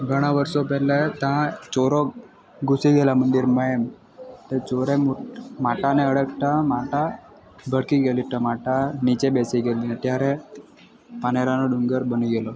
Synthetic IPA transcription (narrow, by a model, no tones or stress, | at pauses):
ɡʱəɽ̃aʋəɾsɔpɛlet̪ãt͡sɔɾɔ | ɡusiɡelamənd̪iɾməem | t̪et͡ɕoɾemuʈmaʈaneəɽəkʈamaʈa | bʱəɽkiɡeliʈ̪əmaʈanit͡ɕebesiɡelinet̪jaɾe | paneɾanoɖuŋɡəɾbənuɡelɔ